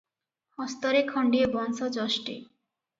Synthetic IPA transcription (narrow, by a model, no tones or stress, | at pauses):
hɔst̪ɔɾekʰɔɳɖiebɔnsod͡ʑɔʃʈḭ